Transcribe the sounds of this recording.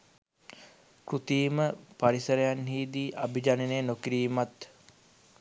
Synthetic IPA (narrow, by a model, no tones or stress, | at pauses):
kɾut̪iːməpaɾisəɾejanɦiːd̪iːʔabid͡ʒaneneːnokiɾiːmat̪